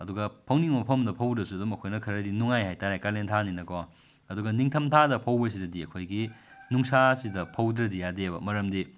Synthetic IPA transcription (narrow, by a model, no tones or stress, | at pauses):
ɐduɡɐpʰɐwniŋmɐpʰɐmdɐpʰɐwdɾɐsuɐdumɐkʰojnɐkʰɐɾɐdinuŋajhajtaɾajkalentʰaninɐkʰɔ | ɐduɡɐniŋtʰɐmtʰadɐpʰɐwbɐs̬idɐdiɐkʰojɡinuŋsasidɐpʰɐwdɾɐdijadebɐ̰mɐɾɐmdi